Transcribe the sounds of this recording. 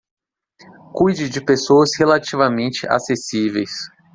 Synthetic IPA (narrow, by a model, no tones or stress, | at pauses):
kujd͡ʒɪd͡ʒɪpesoɐshelat͡ʃivamẽt͡ʃɪʔa̰sesivejs